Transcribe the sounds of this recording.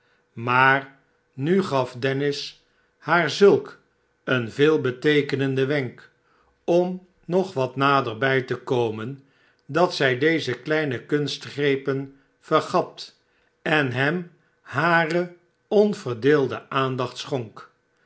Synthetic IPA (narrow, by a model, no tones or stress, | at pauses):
maːr | nyχɑfdɛnɪs | haːɹzɵlˠk | ənveːlˠbətejkənəndəʋɛŋk | ɔm | nɔχʋɑtnaːdəɹbɛjtəkowmən | dɑtsɛjdejzəklɛjnəkɵnstχrejpən | v̥əɹχɑt | ɛnɦɛm | haːrə | ɔnv̥əɹdɪːlˠdə̰ʔaːndɑχtsχɔŋk